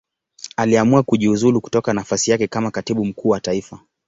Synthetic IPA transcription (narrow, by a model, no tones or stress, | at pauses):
aliamuakuʄiuzuluku̥tɔkanafasijakɛkamakatiɓum̩kuːwataifa